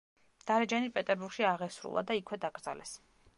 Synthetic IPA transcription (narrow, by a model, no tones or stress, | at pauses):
d̪̥aɾɛd͡ʒanipʼɛt̪ʼɛɾbuɾɡ̥ʃiaʁɛsɾṵlˠa̰d̪aikʰwɛd̪aɡɾd̪za̰lɛ̰s